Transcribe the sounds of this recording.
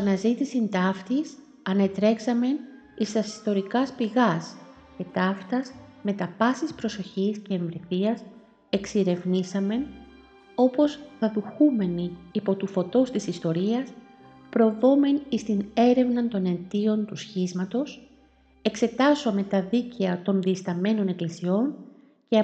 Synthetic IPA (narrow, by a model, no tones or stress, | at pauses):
ɐnɐzit̪isint̪ɐft̪is | ɐne̞t̪ɾe̞ksɐme̞n | ist̪ɐsi̥st̪o̞ɾikɐspiɣɐs | ce̞t̪ɐft̪ɐsme̞t̪ɐpɐsispɾo̞so̞çisce̞ːɱvɾiθiɐs | e̞ksiɾe̞vnisɐme̞n | o̞po̞sθɐðuxume̞niːpo̞t̪ufo̞t̪o̞st̪isist̪o̞ɾiɐs | pɾo̞vo̞me̞nist̪ine̞ɾe̞vnɐnt̪o̞ne̞t̪io̞nt̪usçizmɐt̪o̞s | e̞kse̞t̪ɐsome̞t̪ɐðiceɐt̪o̞nðiːst̪ɐme̞no̞ne̞klisio̞n | ceɐ